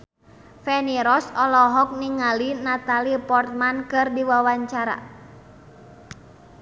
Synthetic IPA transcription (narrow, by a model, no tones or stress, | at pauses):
fɛniɾɔsɔlɔɦɔk̚niŋalinat̪alipɔrt̪̚mankɨrdiwawaɲt͡ʃaɾa̰